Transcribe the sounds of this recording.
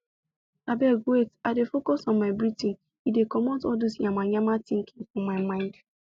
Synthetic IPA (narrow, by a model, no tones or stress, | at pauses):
abɛɡwetaɪdefokɔsɔ̃nmaɪbɾitĩn | idekɔmɔ̃tɔdosɲamaɲamatĩŋ̩kiŋ̩fɔmaɪmãɪ̃nd